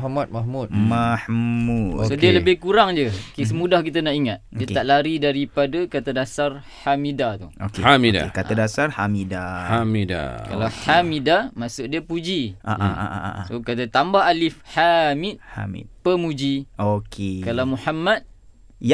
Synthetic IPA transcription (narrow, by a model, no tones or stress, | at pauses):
ɦamat̪̚mahmut̪mahuosodiələbɪhkuɾaŋd͡ʒəkisəmudahkit̪anaʔiŋat̪̚diət̪aʔlaɾidaɾipadakat̪adasar | hamidat̪uo̰keamida̰kaadasarhamidahamida̰ka̰lahamidamasʊʔ̚diəpud͡ʒiʔa̰ʔʔaa̰ʔa̰ʔa̰ʔsokat̪at̪ambaɦalifhamit̪ha̰mḭt̪̚pəmud͡ʒiokʰekalawmuhamat̪̚ | j